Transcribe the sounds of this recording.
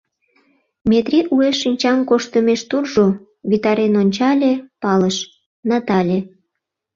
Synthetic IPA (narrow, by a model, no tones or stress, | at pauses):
met̪ɾiʔueʃinʲt͡ɕɑmkoʃt̪əmeʃt̪urʒo | βit̪ɑɾenonʲt͡ɕɑlʲepɑləʃ | nɑt̪ɑlʲe